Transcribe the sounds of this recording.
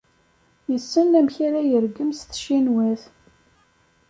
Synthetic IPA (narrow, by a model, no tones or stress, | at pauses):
jəsːənlæmçaɾajəɾɡəmsθʃinwæθ